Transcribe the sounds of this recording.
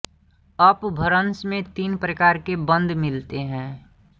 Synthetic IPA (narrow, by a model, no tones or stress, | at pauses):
əpbʱəɾənsmẽt̪iːnpɾəkaːɾkebə̃nd̪ʱmɪlt̪eɦɛ̃ː